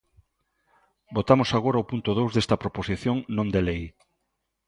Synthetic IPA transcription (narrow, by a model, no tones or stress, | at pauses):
bot̪amosaɣ̞oɾaopunt̪oð̞owzðest̪ɐpɾoposiθjõŋnõnd̪elej